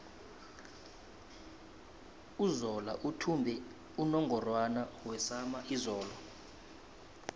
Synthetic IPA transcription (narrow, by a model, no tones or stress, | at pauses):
uzɔla̰ʔutʰumbʱɛ | unɔŋɡʱɔrwanawɛsamaʔizɔːlɔ